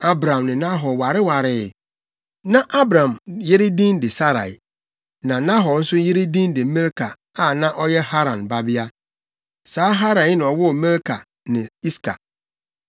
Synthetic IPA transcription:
a˦bɾã˨mnɪ̃˨nã˦ɦɔ˨wa˨ɾɪ˦wa˨ɾɪ˦˨ | nã˦˨ʔa˦bɾã˨mje˦ɾe˦dĩ˦ndɪ˨sa˦ɾa̰˨ | nã˨nã˦ɦɔ˨n̩˦sʊ˦je˦ɾe˦dĩ˦n˦dɪ˨mɛ̃˦lkʰa˨ | a˨nã˦ʔɔ˦jɛ˦ha˦ɾã˨nba˦bi˦a˦ | saː˨˦ɦa˦ɾã˨˦nɪ̃˨ɔ˨wʊ˦˨mɛ̃˦lkʰa˨ | nɪ̃˨i˦skʰa̰˨

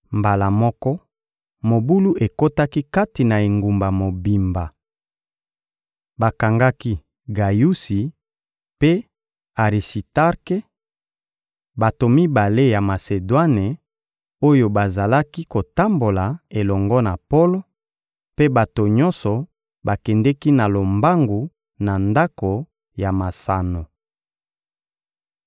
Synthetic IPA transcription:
mba˨la˨mɔ˦kɔ˦ | mo˨bu˦lu˦ʔe˨ko˦ta˦ki˦ka˦ti˨na˨e˨ŋɡu˨mba˨mo˨bi˨mba˨ | ba˨ka˨ŋɡa˦ki˦ | ɡa˨ju˦si˨ | pe˦ | a˨ʁi˨si˨ta˦ʁke˦ | ba˨to˨mi˦ba˨le˦ja˨ma˨se˨dwa˦ne˨ | o˦jo˨ba˨za˨la˦ki˦ko˨ta˦mbo˨la˨e˨lɔ˨ŋɡɔ˦na˨po˦lo˦ | pe˦ba˨to˨ɲɔ̃˦nsɔ˨ | ba˨kɛ˨ndɛ˦ki˦na˨lo˨mba˦ŋɡu˨ | na˨nda˦ko˨ | ja˨ma˨sa˨no˨

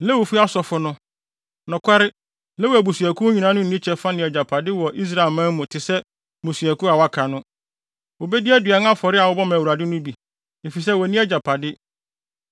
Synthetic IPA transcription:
lɛ˦wo˨fu˦a˦sɔ˨fʊ˨nʊ̃˦ | nʊ̃˨kʷʰa˦ɾɪ˦ | lɛ˦wo˨æ˨bu˨su˨æ˨kʰu˦ɲĩ˨nã˦nʊ̃˦˨˦nĩ˦t͡ɕʰɛ˨fa˦nɪ̃˨ɛ˨d͡ʑa˨pʰa˨dɪ˦wɔ˨ʔi˦s̬ɾa˨ɪ˨mãː˦mũ˨tʰɪ˨sɛ˦ | mũ˨su˨æ˨kʰu˦a˨wa˦kʰa˨nʊ̃˦ | wo˨bɛ˦dɪ˦æ˦dɥa˨˦ŋ˦ã˦fɔ˨ɾɪ˦a˨wʊ˦bɔ˦mã˨wu˨ɾa˨dɪ˦nʊ̃˦bi˨ | e˨fi˨sɛ˦wɔ˨nĩ˦æ˦d͡ʑa˨pʰa˨dɪ˦

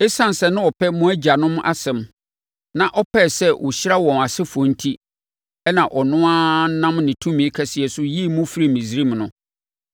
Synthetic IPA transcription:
e˦sã˦n˨sɛ˨nʊ̃˦ɔ˨pʰɛ˦mũ˦æ˦d͡ʑa˨nʊ̃˦m˦ʔa̰˦sɛ̃˨m | nã˨ʔɔ˦pʰɛ˦˨sɛ˦wʔʊ̰˨ɕɪ˦ɾa˦wɔ̃˨na˨sɪ˦fɔ̃˨n̩˦tʰi˦ | ɛ˦nã˨ʔɔ˨nʊ̃˦a˦nã˦mnɪ̃˨tʰũ˦mĩ˨e˦kʰɛ˨sɪ˨ɛ˨sʊ˦ji˦˨mʊ̃˦fɾi˦mĩ˨sɾi˦m˨nʊ̃˦

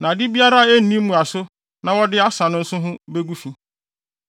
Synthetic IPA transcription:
nã˨dɪ˦bi˦a˦ɾa˦˨e˦˨nĩ˦mũ˨a˨sʊ˦ | nã˨wɔ˦dɪ˦a˦sa˨nʊ̃˦n̩˦sʊ̃˦ɦʊ̃˦be˦ɡu˦fĩ˦

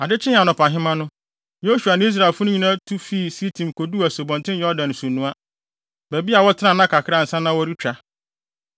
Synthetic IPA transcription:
a˨dɪ˦t͡ɕʰɪ̃˦n˨a˨nʊ̃˨pʰã˨ɦɪ̃˦mã˦nʊ̃˦ | jo˦su˨a˨nɪ̃˦i˦s̬ɾa˨ɪ˨lfʊ˦nʊ̃˦ɲĩ˨nã˦tʰu˦fi˦˨si˦tʰĩ˨mkʰo˨du˦æ˨so˨bɔ̃˨ntɪ̃˦n˦ɛ˦ɔ˦dã˨ñ˨sũ˨nːũ˦a˦ | bæ˨bi˦a˨wɔ˦tʰɪ˦nã˦˨nã˦kʰa˨kʰɪ˦ɾa˦˨n̩˨sã˦nã˦wɔ˦ɾi˦t͡ɕᶣa˨

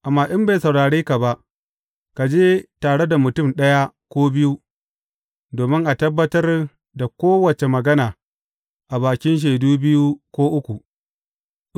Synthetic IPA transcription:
ʔa˨mːaː˦ʔɪ˦mba˨jsɐ˨wɽaː˨ɽeː˦ka˨ba˦ʔ | ka˨d͡ʒeː˦taː˨ɽe˦da˨mʊ˨tʊ˦˨mɗɐ˦ja˦kʷoː˦bɪ˦ju˦ | doː˨mɪ˦ŋʔa˨tɐ˦bːɐ˦tɐ˦r | da˨kʷoː˦wɐ˨t͡ʃe˨mɐ˨ɡɐ˦naː˨ | ʔa˨baː˨kʲɪ˦nʃ̬eː˨duː˦bɪ˦ju˦kʷoː˦ʔʊ˦kʷu˨

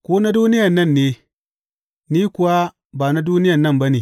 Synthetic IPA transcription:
ko˦na˦du˦ni˦ja˨nɐ˦˨nːe˨ | ni˦ku˨wa˦ | ba˨na˦du˦ni˦ja˨nːɐ˦mba˦ni˨

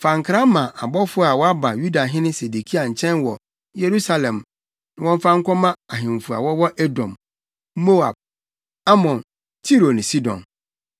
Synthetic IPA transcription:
fã˨ŋ̩˨kʰɾa˦mã˨ʔa˨bɔ˦fʊ˦a˨wɔ˦a˦ba˨ju˦da˨ɦɪ̃˦nɪ̃˦se˨du˨kʰi˦a˨ɲ̩˨t͡ɕʰɛ̃˦nwɔ˨ | je˨ɾu˦sa˦lɛ̃˨m | nɪ̃˨wɔ̃˦ɱ˦fa˦ŋ̩˦kʰɔ˦mã˦a˨ɦɪ̃˨m˨fu˨a̰˨wɔ˦wɔ˦ʔe˦dɔ̃˨m | mo˦a̰˨b̚ | a˦mɔ̃˨n | tʰi˦ɾo˨nɪ̃˨si˦dɔ̰̃˨n

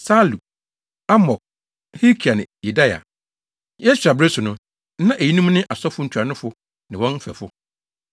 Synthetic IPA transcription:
sa˦lu˨ | a˦mɔ˨k̚ | hi˦kʰi˨a˨nɪ̃˨je˨da˦ja̰˨ | je˦su˨a˨bɾe˦sʊ˨nʊ̃˦ | n̩˦nã˦ʔe˨ji˦nũ˦m˦nɪ̃˦ʔa˨sɔ˦fʊ˦ɲ̩˨t͡ɕᶣɾa˨nʊ̃˦fʊ˦ | nɪ̃˨wɔ̃˦n˦fɛ̰˨fʊ˦

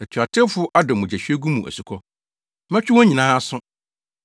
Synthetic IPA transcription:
ɛ˨tʰʊ˨a˨tʰɪ˦fʊ˦ʔa˦dɔ˨mʊ̃˨d͡ʑæ˨ɕᶣɥe˦ɡu˦mũ˨ʔæ̰˨su˨kʰɔ˦ | mɛ̃˦t͡ɕᶣɪ˦wɔ̃˦ɲĩ˨nãː˦sʊ̃˦

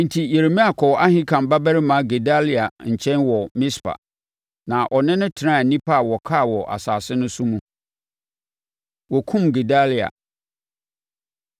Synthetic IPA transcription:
n̩˨tʰi˨je˨ɾe˨mĩ˦a˨kʰɔ˨wʔa˦hɪ̃˦kʰã˨mba˦bæ˦ɾɪ˦mã˨˦ɡe˨da˦li˨a˨ɲ̩˨t͡ɕʰɛ̃˦nwɔ˨mɪ̃˦spʰa̰˨ | nã˨ʔɔ˨nɪ̃˦nʊ̃˦tʰɪ˨ɾã˦˨nĩ˦pʰa˦a˨wɔ˨kʰa˦˨wɔ˨ʔa̰˨saː˨sɪ˦nʊ̃˦sʊ˦mũ˨ | wɔ˨kʰũ˦mɡe˨da˦li˨a̰˨

